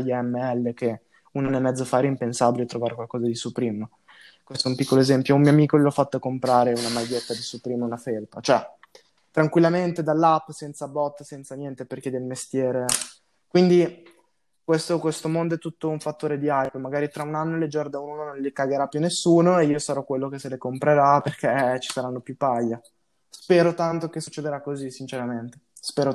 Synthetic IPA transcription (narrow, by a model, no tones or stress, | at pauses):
jɛmːeɛlːek̟e | unanːoemːɛd̪zːofaːɾeimpensabilet̪ːɾovaːɾekwalkɔːzad̪isupɾiːmo | kwest̪ɛumpikːoloezɛmpjoumioamiːkolilɔfːat̪ːoakːompɾaːɾeunamajːet̪ːad̪isupɾiːmeunaferpat͡ʃoɛ | t̪ɾaŋkwilːament̪ed̪alːapːsɛnt̪sabɔt̪ːsɛnt̪sanjɛnt̪eperk̟ed̪elmest̪jɛːɾe | kwind̪i | kwest̪okwest̪omond̪oɛt̪ːut̪ːouɱfat̪ːoːɾed̪iajpmaɡaːɾit̪ɾaunanːoeled͡ʒɔrd̪aununonõnlikaɡeɾapːjunːesːuːnoeiːosaɾɔkwelːokeselekompɾeɾaperk̟et͡ʃi̥saɾanːopjupːajːa | spɛːɾot̪ant̪okesut͡ʃːed̪eɾakːozisint͡ʃeɾament̪e̥ | spɛːɾo